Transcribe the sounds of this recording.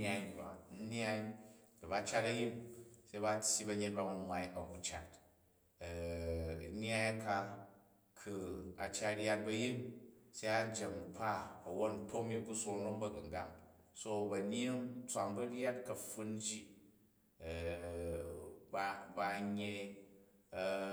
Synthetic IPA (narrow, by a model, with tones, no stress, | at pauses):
n˦a˦jba˨n̩˦n˦a˦jkɐ˨ba˦t͡ʃa˦tɐ˦ji˦mse˦ba˦tʲji˦bɐ˧ɲe˦t̚ba˦mɐ˨nwa˧jɐ˨ku˦t͡ʃa˨t | n˦a˦ja˦ka˧ | kʰu˨a˨t͡ʃa˦ɾʲja˦t̚bɐ˧ji˦nse˦a˦d͡ʒe˨ŋ˨pʰa˦ɐ˨wo˦tn̩˦tʰo˦kmi˦ku˦so˧ŋɾo˦mbɐ˦ɡɐ˨ŋɡa̰˨ŋ | so˦bɐ˨n˦e˦nt͡sʷa˨ŋbɐ˦ɾʲa˦t̚kɐ˨ɸu˦nd͡ʒi˦˨ | ba˧ba˧ɲe˧